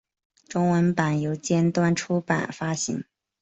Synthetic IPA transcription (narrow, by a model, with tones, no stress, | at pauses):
ʈ͡ʂʊ˥ŋwə˧˥npa˨˩njo˧˥ʊt͡ɕjɛ˥nt̪wa˥nʈ͡ʂʰu˥pa̰˨˩nfa˥ɕḭ˧˥ŋ